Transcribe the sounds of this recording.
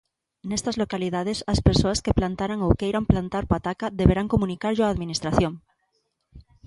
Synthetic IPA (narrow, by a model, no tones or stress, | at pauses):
nest̪azlo̞kaliðað̞esaspeɾsoaskeplant̪aɾaŋowkejɾamplant̪aɾpat̪akaðeβeɾaŋkomũnikaɾʎoaːðminist̪ɾaθjoŋ